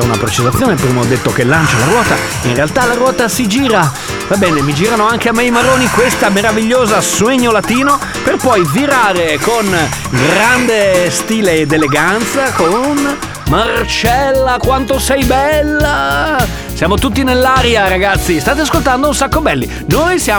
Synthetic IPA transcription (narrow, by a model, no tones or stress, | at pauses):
una̰pɾet͡ʃizat̪sːjoːnepɾiːmaɔd̪ːet̪ːokelːant͡ʃelaɾwɔːt̪a̰ | inrealt̪alaɾwɔːt̪asid͡ʒiːɾa | vabɛːnemid͡ʒiːɾanoaŋk̟eamːejmaɾoːnikwest̪ameɾaviʎːoːzasweɲːolat̪iːno | perpɔjviɾaːɾekon | ɡɾand̪est̪iːleːd̪ːeleɡant̪sakon | mart͡ʃɛlːakwant̪osɛjbɛlːa | sjaːmot̪ut̪ːinelːaːɾjaɾaɡat̪sːist̪aːt̪̬easkolt̪and̪ounsakːobɛlːi | nojsja